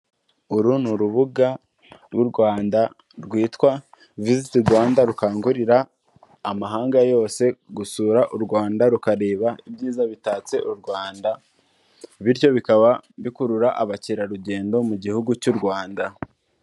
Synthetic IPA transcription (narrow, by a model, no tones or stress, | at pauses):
uɾunuɾuβuɡa | ɾwuɾɡwaːnda | ɾɡwiːtkwa | vizitiɾɡwaːndaɾukaːŋɡuɾiɾaː | maɦaːŋɡajo̞ːse̞ɡusuːɾaʔuɾɡwaːndaɾukaɾe̞ːβaibjiːzaβitaːt͡se̞ʔuɾɡwaːnda | βiɾjo̞βikaβaβikuɾuɾaʔaβaciɾaɾuɟe̞ːndo̞muɟihuɡucuɾɡwaːnda